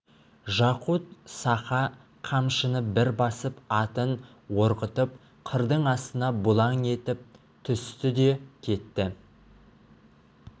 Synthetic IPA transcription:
ʒɑqut̪sɑχɑ | qʰɑmʃənəbɪɾbɑsəpɑt̪ən | wo̞ɾqət̪əp̚ | qʰəɾd̪əɴɑst̪ənɑbʊlˠɑŋe̞t̪ɪp̚ | t̪ʰʏst̪ɪd̪e̞kʲʰe̞t̪ːɪ

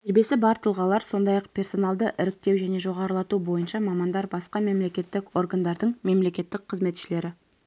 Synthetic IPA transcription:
eɾbe̞sɪbɑɾt̪ʰəlˠʁɑlˠɑɾso̞nd̪ɑjɑqpʰʲe̞rso̞nɑlˠd̪əʔɪɾɪk̚t̪e̞wʒæne̞ʒo̞ʁɑɾəlˠɑt̪ubo̞jənʃɑmɑmɑnd̪ɑɾbɑsqɑme̞mle̞kʲe̞t̪ːɪko̞rɡand̪ɑɾd̪əɴme̞mle̞kʲe̞t̪ːɪk̚qʰəzme̞t̪ʃɪle̞ɾɪ

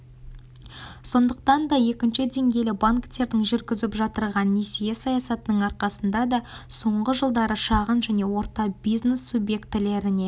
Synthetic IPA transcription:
so̞nd̪əq̚t̪ɑnd̪ɑje̞kʲɪnʃɪd̪e̞ŋɡʲe̞lɪbaŋkt̪e̞ɾd̪ɪŋʒʏɾɡʲɪzɪpʒɑt̪əɾʁɑnːisijesɑjɑsɑt̪ənəɴɑɾqɑsənd̪ɑd̪ɑso̞ɴʁəʒəlˠd̪ɑɾəʃɑʁənʒæne̞wo̞ɾt̪ɑbijzne̞sːubje̞kt̪ɪle̞ɾɪne̞

